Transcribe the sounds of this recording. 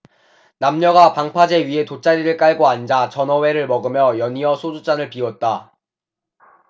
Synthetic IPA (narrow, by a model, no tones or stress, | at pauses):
namɲʌɡapaŋpʰad͡ʑe̞ɥiɦe̞tot͡ɕ͈aɾiɾɯɭk͈aɭɡoand͡ʑat͡ɕʌnʌwe̞ɾɯɭmʌɡɯmjʌjʌɲiʌsʰod͡ʑut͡ɕ͈anɯɭpiwʌt̚t͈a